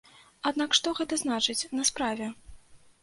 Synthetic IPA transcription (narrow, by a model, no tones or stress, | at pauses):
ad̪nakʂt̪ɔɣɛt̪ɐznat͡ʂɨt͡sʲnɐspɾavʲɛ